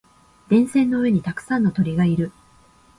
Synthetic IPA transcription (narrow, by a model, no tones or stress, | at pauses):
d̪̥ẽ̞ɰ̃sẽ̞nːo̞ɯ̟e̞ɲ̟it̪akɯ̟̥sãnːot̪o̞ɾʲiɡaiɾɯ̟